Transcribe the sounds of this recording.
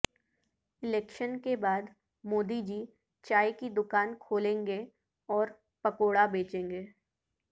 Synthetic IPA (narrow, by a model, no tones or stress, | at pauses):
ɪlɛːkʃənkebaːd̪ | moːd̪id͡ʒiː | t͡ʃaːikid̪ʊkaːnkʰoːlẽːŋɡe | ɔːɾ | pɐkoːɽabeːt͡ʃẽːŋɡeː